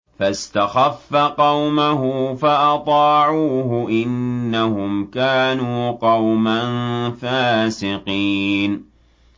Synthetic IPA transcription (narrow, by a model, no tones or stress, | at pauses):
fast̪axafːaqɑwmaɦʊfaʔɑt̪ˤɑːʕuːɦʊʔɪnːahʊmkaːnuːqɑwmanfaːsɪqiːn